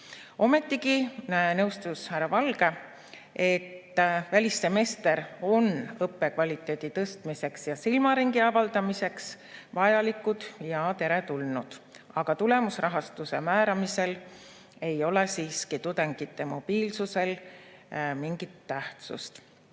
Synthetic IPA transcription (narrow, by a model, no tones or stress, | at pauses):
o̞me̞t̪ːiɡinɤwst̪ushæɾɑvɑlɡ̥e̞ | e̞t̪ːˑvælʲist̪eme̞ːst̪e̞ɾo̞nɤpːe̞kvɑlʲit̪ːˑe̞ːd̪̥it̪ɤst̪mise̞ksjɑsilmɑɾiŋɡiɑvɑld̪ɑmise̞ks | vɑjɑlikːˑud̪̥jɑt̪e̞ɾe̞t̪ulnud̪̥ | ɑɡ̥ɑt̪ule̞musrɑɦɑst̪use̞̰mæːɾɑmise̞l | e̞jo̞le̞siːskit̪ud̪̥eŋɡ̥it̪ːˑe̞mo̞b̥iːlsuse̞l | miŋɡ̥it̪ːæht̪sṵst̪